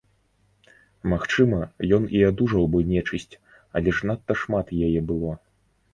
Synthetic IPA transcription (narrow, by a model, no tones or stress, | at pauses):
maxt͡ʂɨmɐjɔniad̪uʐɐwbɨnʲɛt͡ʂɨsʲt͡sʲ | alʲɛʂnat̪ːɐʂmat̪jajɛbɨlˠɔ